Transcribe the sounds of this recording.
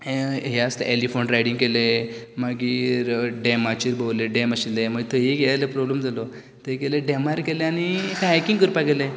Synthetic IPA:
ɦeəst̪ḛʔelifoɳʈɾajiɽĩŋɡkelemaɡiɾɖemat͡ɕiɾbəwleɖeməɕileməɡt̪əɦeɡeajləpɾɔblemd͡zalɔ | t̪əɦekeləɖemaɾkeleañikaekiŋɡkəɾupaɡele

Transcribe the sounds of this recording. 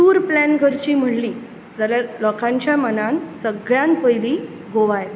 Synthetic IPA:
suːɾplænɡʱəɾt͡ɕiːm̤əɽliː | d͡zaljalɔkãɲt͡ɕjamənãnsəɡɭjãnpəjliː | ɡoʋaj

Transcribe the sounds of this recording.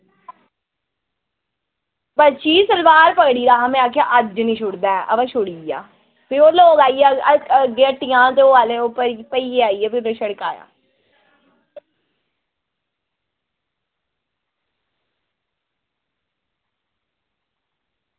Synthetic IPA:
pətːt͡ʃiːsəlʋaːɾpəkɽiːɾaːɦːmɛ̃ːaːkʰja̰ːʔəd͡ʒnĩːʃʰʊɽd̪aːɛːʔə̰ʋãːʃʊɽiːja̰ː | pʰɪɾoːloːɡaːiːɛəɡeːʈːɪjãːt̪eːoːaːleːopːəɾpəiːeːaːiːɛːpʰɪɾnẽʃəɽkaːja̰ː

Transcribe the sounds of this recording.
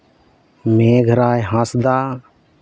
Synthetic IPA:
mẽːɡʱəɾaːjɦãːsd̪aː

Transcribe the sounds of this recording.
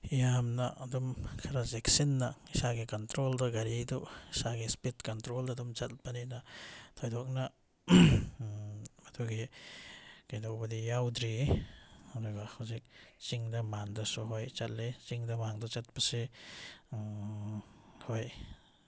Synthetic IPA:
ijamnaːdɔmkʰaɾazeksinːaisaɡikantɾoldɐɡaɾidɔisaɡespitkantɾoldadɔmt͡ʃat̚baninatʰɔjdɔk̚na | matʰuɡe | kajdɔk̚badijawdɾi | aɾɔjbahawzik̚t͡ʃiŋdɐmaŋdasuɦojt͡ʃat̚let͡ʃiŋdɐmaŋdɔt͡ʃat̚pase | hoj

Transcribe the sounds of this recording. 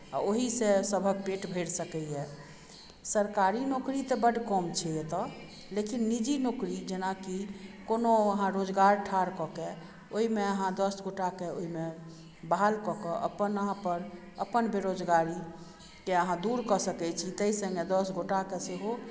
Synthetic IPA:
a̰oɦisesəbʱək̚peʈbʱeɽsəkɛjɛ | səɾkaɾinokɾit̪ɔbəɖkɔmt͡ʃʰɛet̪ɔ | lekinːid͡ʒinokɾid͡ʒenakikonoəɦãɾod͡ʒɡaɾʈʰaɾkɔke | oɦimeəɦãd̪əsɡʱoʈakeoɦime | balkɔkɔʔə̰pənəɦãpəɾ | əpənbeɾod͡ʒɡaɾi | keəɦãd̪uɾkɔsəkɛt͡ʃʰit̪əisə̃ŋɡed̪əsɡʱoʈakeseɦo

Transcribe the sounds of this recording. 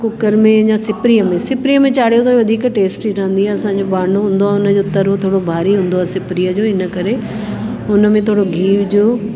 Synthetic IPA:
kʊkəɾmẽɲãsɪpɾijəmẽsɪpɾijəmẽt͡ɕaːɽijot̪ʰaːĩʋɐd̪ʱiːkʈeːsʈiɾɐɦə̃n̆d̪iɦɛɐsãːɲd͡ʑobaːɳ̤oɦũːn̆d̪oaɛʊnəd͡ʑoːt̪ɐɾt̪ʰoːɽobʱaːɾiɦũːnd̪oɛːsɪpɾijəd͡ʑoːɪnə̆kɐɾe | ʊnə̆mẽt̪ʰoːɽoɡʱiːʋd͡ʑoː

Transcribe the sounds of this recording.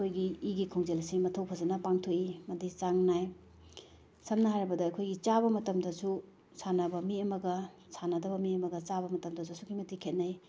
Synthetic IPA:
ojɡiːɡikʰoŋzelɐsimɐtʰɐwpʰɐzɐnɐpaŋtʰokimɐdit͡ʃaŋnaj | sɐmnɐɦajɾɐbɐdɐɐkʰojɡit͡ʃaβɐmɐtɐmdɐsu | sʰanɐbɐmiɐmɐɡɐ | sʰanɐdɐbɐmiɐmɐɡɐt͡ʃabɐmɐtɐmdɐsusukʰimɐtikʰet̚nɐj

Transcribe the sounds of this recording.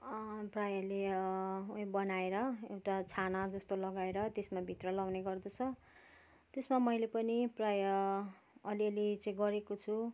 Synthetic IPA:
prajʌleuɦĩbʌnaeɾʌḛwʈat͡sʰanad͡zʌst̪olʌɡaeɾʌt̪esmabʱit̪rʌlawneɡʌrd̪ʌt͡sʰʌ | t̪esmamʌjlepʌniprajʌː | liʌlit͡sʌĩɡʌɾekot͡sʰu

